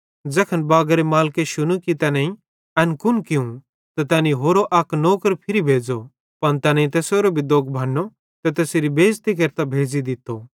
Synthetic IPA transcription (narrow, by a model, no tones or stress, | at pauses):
d͡zɐkʰənbaːɡɾemaːlkeʃʊñũkit̪ɛːnɛ̃ĩ | ɐnkʊnkɪũ | t̪ɐt̪ɛːniɦoːɾoʔɐknoːkəɾpʰɪɾibʱeːd͡zo | pɐnt̪ɛnɐĩt̪ɛːsoːɾobʱid̪oːkbʱɐnːo | t̪ɛt̪ɛːseɾibʱeːd͡zt̪ik̬ɐɾt̪abʱeːd͡zid̪ɪt̪ːo